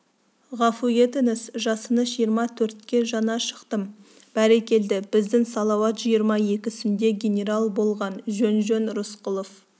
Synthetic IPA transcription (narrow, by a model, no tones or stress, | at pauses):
ʁɑfuje̞t̪enɪsʒɑsənəʒijəɾmɑt̪ʰɵɾt̪̚kʲe̞ʒɑnɑʃə̥qt̪əm | b̥æɾekʲe̞ld̪ɪb̥ɪzd̪ɪŋsɑlˠɑwɑt̪ʒ̥ijəɾmɑje̞kʲɪsɪnd̪e̞ɡʲe̞nʲe̞ɾalˠbo̞lˠʁɑnʒɵnʒønɾʊsqʊlˠof